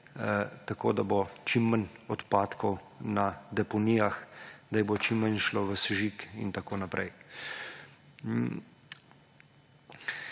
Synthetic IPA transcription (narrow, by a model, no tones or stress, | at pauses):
t̪ako̰ːd̪abot͡ʃimːənɔt̪paːt̪kɔw | nad̪ɛpɔnijaxd̪ajbot͡ʃimːənʃloʋəsʒikḭnt̪akoːnapɾʔɛ̰j